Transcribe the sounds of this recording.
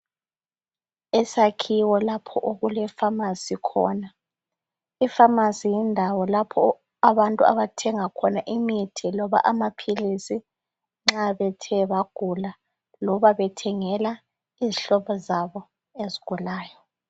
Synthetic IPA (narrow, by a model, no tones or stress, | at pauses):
ɛsakʰiwɔlapʰɔʔoɣulɛfamasikʰɔ̰ːna | ifamasijɛndʱawɔlapʰɔ | aβantʼua̰βatʰɛŋakʰɔnaʔimitʰilɔβa̰ʔamapʰilisi | ŋ͡ǁaβɛtʰɛβaɡ̥ʱula | lɔβaβɛtʰɛŋɛla | iziɬɔβɔzaβɔ | eziɡ̥ʱulaːjɔ